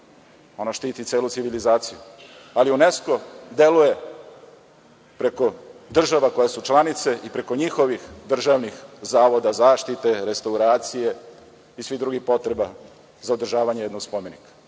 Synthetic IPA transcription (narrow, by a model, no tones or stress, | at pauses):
o̞noʃt̪iːt̪it̪seːlut̪siʋilizaːt̪sijualiunesko̞d̪e̞luje̞ | pɾe̞ko̞d̪r̩ʒaʋako̞jesut͡ʃlanit̪se̞ʔipɾe̞ko̞ɲixo̞ʋixd̪r̩ʒaʋnixzaːʋo̞d̪azaːʃt̪it̪e̞ɾest̪auɾaːt̪sije̞ | isʋid̪ɾuɡixpo̞t̪ɾe̞ba | zaod̪r̩ʒaːʋaɲejed̪noɡspome̞nikḁ